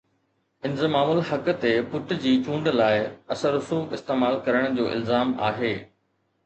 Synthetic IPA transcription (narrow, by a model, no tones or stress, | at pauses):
ɪ̃nzəmaːmʊlhɐkt̪epʊʈd͡ʑiːt͡ɕũːɳɖlaːɪɐsəɾʊsuːxɪst̪eːmaːlkɐɾəɽ̃d͡ʑoːʔɪ̰lzaːma̰ːɦeː